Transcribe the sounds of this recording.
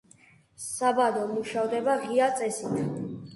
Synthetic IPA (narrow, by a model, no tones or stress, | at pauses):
sabad̪ɔmuʃavd̪ɛbaʁiat̪sʼɛsit̪ʰ